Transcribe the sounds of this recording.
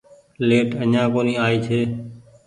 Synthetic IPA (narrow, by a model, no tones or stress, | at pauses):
leːʈəɲãːkoːnĩːaːiːt͡ʃʰeː